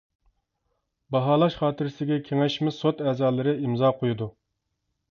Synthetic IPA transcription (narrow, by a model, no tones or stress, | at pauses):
bɑɦɑːlˠɑʃχɑːt̪ʰɨɾɪsɪɡʲɛkʲʰeŋɛʃmɪsot̪ɛːzɑːlˠɨɾɪimzɑːqʰojud̪u